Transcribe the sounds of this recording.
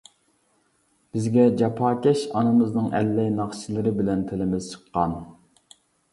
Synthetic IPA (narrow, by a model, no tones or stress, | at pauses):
b̥ɪzɡʲɛd͡ʒɑpʰɑːkʲɛʃɑnɨmɨznɨŋʔɛ̰lːɛjnɑχt͡ʃilˠɨɾɪbɪlɛnt̪ʰɪlɪmɪz̥t͡ʃʰə̥qːɑn